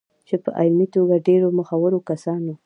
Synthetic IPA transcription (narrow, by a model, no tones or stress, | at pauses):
t͡ʃepəʔajmit̪oɡaɖeɾoməxawəɾokasɑno